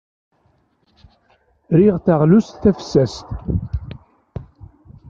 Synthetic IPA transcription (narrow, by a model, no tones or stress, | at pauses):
ɾiʁθaʁlust̪θæfsæst̪